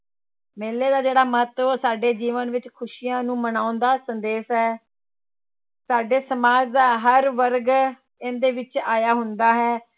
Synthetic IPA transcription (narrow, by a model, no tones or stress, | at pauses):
meːleːd̪aːd͡ʒeːɽaːməɦət̪osaːɖeːd͡ʒiːʋənʋɪt͡ʃkʰʊʃiːjãːnũːmənaːʊnd̪aːsənd̪eːsɦɛː | saːɖeːsəmaːd͡ʒd̪aːɦəɾʋəɾɡ | ẽːnd̪eːʋɪt͡ʃaːjaːɦʊnd̪aːɦɛː